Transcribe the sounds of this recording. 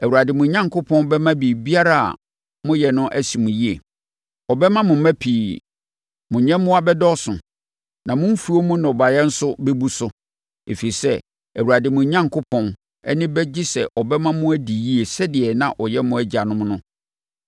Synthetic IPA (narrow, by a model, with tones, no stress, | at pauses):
æ˨wu˨ɾa˨dɪ˨mʊ̃˨ɲã˦ŋkʰʊ˦pʰɔ̃˦nbɛ˦mã˦bi˨bi˦a˦ɾa˦a̰˨ | mʊ̃˦jɛ˨nʊ̃˦ʔæ˦si˨mʊ̃˨ji˦ḛ˨ | ɔ˨bɛ˦mã˦mʊ̃˨m̩˦mæ̃˦pʰi˨ | mʊ̃˨ɲɛ̃˦m˦mʊ̃˦a˦bɛ˦dɔ˦sʊ̃˨ | nã˨mʊ̃˦m̩˦fu˨˦o˦mʊ̃˦nɔ̃˨ba˨jɛ˦n̩˦sʊ˦bɛ˦bu˦sʊ˦ | ḛ˨fi˨i˨sɛ˦ | æ˨wu˨ɾa˨dɪ˨mʊ̃˨˦ɲã˦ŋkʰo˦pʰɔ̃˦n | ɛ̰˦nɪ̃˦bɛ˦d͡ʑi˦sɛ˨ʔɔ˨bɛ˦mã˦mʊ̃˦æ˦di˨ji˦e˨sɛ˦dɪ˨ɛ˨nã̰˨ʔɔ˨jɛ˦mʊ̃˦æ˦d͡ʑa˨nʊ̃˦m˦nʊ̃˦